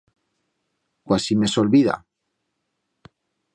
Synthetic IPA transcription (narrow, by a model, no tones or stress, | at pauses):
kwasime̞solβiða̰